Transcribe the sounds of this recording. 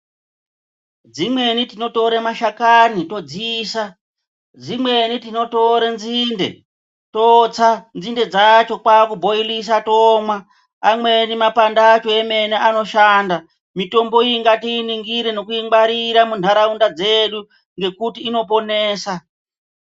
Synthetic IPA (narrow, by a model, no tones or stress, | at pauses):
d͡zimwe̞nitino̞to̞ɾemaʃakanito̞d͡ziːsa | d͡zimwe̞nitino̞to̞ɾenzinde̞̰ | tot͡sanzinde̞d͡zat͡ʃo̞kwakubʱo̞ilis̬atoːmwaː | mwe̞nimapandaːt͡ʃo̞eme̞neʔano̞ʃaːnda | mito̞mbo̞iŋɡatiːniŋɡiɾeno̞kuiŋɡ͡baɾiɾamun̤aɾaundad͡ze̞ɗu | ŋɡe̞kutiːno̞p̬o̞neːsa